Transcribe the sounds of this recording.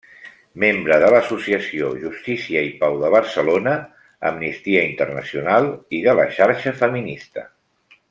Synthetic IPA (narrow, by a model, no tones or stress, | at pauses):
membɾəðələsusiəsioʒust̪isiəipawðəβ̞əɾsəlonə | ə̰mnist̪iəint̪ərnə̰siunalˠiðələʃaɾʃəfəminist̪ə̰